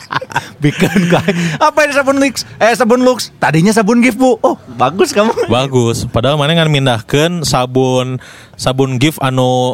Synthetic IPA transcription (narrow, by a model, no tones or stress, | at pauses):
bikənkaapadisabʊnlɪksɛsabʊnlʊkst̪adiɲas̬abʊnɡɪfbuɔhbaɡʊskamubaɡʊspadamanaŋanmindahkənsabʊn | sabʊnɡɪfanu